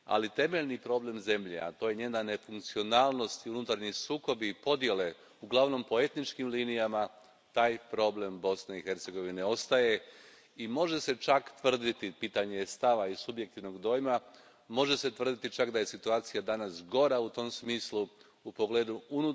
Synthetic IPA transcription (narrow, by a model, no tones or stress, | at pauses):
a̰lit̪e̞me̞ʎnipɾo̞ːble̞mze̞mʎe̞̰a̰t̪oje̞ɲe̞ːnane̞fuŋkt̪sio̞naːlˠno̞st̪iunut̪aɾɲisuːko̞biːpo̞d̪je̞le̞ | uɡlˠaʋno̞mpo̞e̞t̪nit͡ʃkimliːnijama | t̪aːjpɾo̞ble̞mbo̞sneixe̞ɾt̪se̞ɡo̞ʋine̞o̞st̪aje̞ | imo̞ʒe̞se̞t͡ʃakt̪ʋr̩d̪it̪ipiːt̪aɲest̪aʋaisubje̞k̚t̪iʋno̞ɡd̪o̞ːjma | mo̞ʒe̞se̞t̪ʋr̩d̪it̪it͡ʃakd̪aje̞sit̪uaːt̪sijad̪anasɡo̞ɾaut̪o̞msmiːslu | upo̞ɡle̞ːd̪uunu